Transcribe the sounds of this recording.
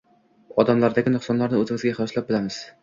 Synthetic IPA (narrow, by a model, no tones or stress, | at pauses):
ɒd̪amlaɾd̪aɡʲɪnʊχsɒnlˠaɾnɪɵzɪŋɪzɡʲaχɪlˠɒslˠap̚bɪlamɪz̥